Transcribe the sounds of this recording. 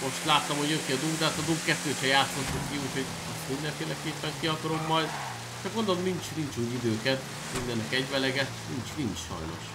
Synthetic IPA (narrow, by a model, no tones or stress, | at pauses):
mo̞ʃt̪laːt̪ːɒmho̞ɟøkiɒd̪ubd̪aːt̪ɒd̪ubkɛt̪ːøːt̪hɛjaːt̪so̞t̪ːukkiuːcho̞ɟ | ɒst̪unːɛɱfeːlɛkeːpːɛŋkiɒkɒɾo̞mːɒjd̪ | t̪ɛɡo̞nd̪olomnint͡ʃnint͡ʃuːjid̪øːkɛt̪ | iɡ̪d̪ɛnɛkɛɟvɛlɛɡɛt̪nint͡ʃnint͡ʃʃɒ̰jno̞̰ʃ